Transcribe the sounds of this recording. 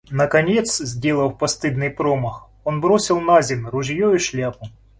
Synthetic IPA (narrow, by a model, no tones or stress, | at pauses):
nɐkɐnʲet̪szʲdʲe̞lˠɐwpɐst̪ɨd̪nɨjpɾomɐx | onbɾosʲɪlˠnazʲɪnrʊʒjoiʃlʲapʊ